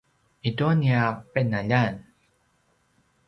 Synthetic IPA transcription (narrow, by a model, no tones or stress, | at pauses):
ʔit̪uniapenːaʎan